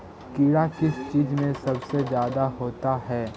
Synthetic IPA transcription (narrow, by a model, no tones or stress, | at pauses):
kiɽakɪst͡ʃiːzmẽsɐbsezjaːd̪aɦoːt̪aɦɛː